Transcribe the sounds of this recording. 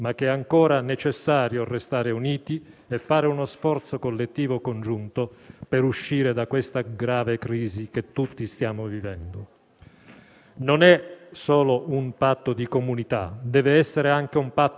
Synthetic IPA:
mak̟ːɛaŋkɔːɾanet͡ʃesːaːɾjorest̪aːɾeuniːt̪iefːaːɾeunosfɔrt̪sokolːet̪ːiːvokond͡ʒunt̪opeɾuʃːiːɾed̪akːwest̪aɡɾaːvekɾiːziket̪ːut̪ːist̪jaːmovivɛnd̪o | nonɛsɔːloumpat̪ːod̪ikomunit̪a̰d̪ɛːveɛsːeɾeaŋk̟eumpat̪ː

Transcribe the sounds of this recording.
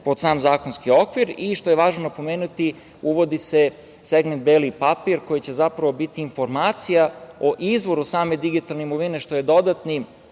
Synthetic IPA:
po̞d̪saːmzaːkonskio̞kʋiɾiʃt̪o̞jeʋaːʒnonapo̞meːnut̪i | uʋo̞d̪ise | seɡmend̪̚belipapiɾko̞jit͡ɕe̞zapɾaʋo̞bit̪iːnfo̞ɾmaːt̪sijaoʔizʋo̞ɾusaːme̞d̪iɡit̪alnemoʋineʃt̪o̞je̞d̪o̞d̪at̪ni

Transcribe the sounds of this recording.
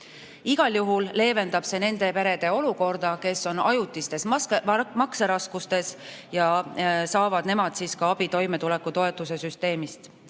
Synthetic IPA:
iɡ̥ɑljuɦulle̞ːve̞nd̪ɑb̥se̞ne̞nd̪e̞pe̞ɾe̞d̪̥e̞o̞luko̞rd̪̥ɑke̞so̞nɑjut̪ːˑist̪e̞smɑkseɾɑskust̪e̞sjɑsɑːvɑd̪ne̞mɑd̪̥siːskɑɑb̥it̪o̞jme̞t̪ule̞kːˑut̪o̞e̞t̪ːˑuse̞syst̪e̞ːmist̪

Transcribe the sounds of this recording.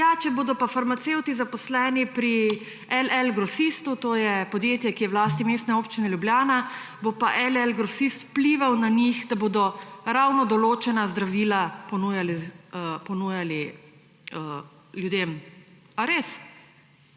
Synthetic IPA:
jat͡ʃɛboːd̪ɔpafaɾmat̪sewt̪izapɔslɛːnipɾi | ɛlɛlɡɾɔsist̪ut̪oːjɛpɔd̪jeːt̪jɛkijɛwlaːst̪imeːst̪nɛoːpt͡ʃinɛljubljaːna | bopaʔɛlɛlɡɾɔsist̪wpliʋawnaɲixd̪aboːd̪ɔɾawnɔd̪ɔloːt͡ʃɛnazd̪ɾaʋiːlapɔnuːjaliəpɔnuːjali | ə | ljud̪em | aɾes

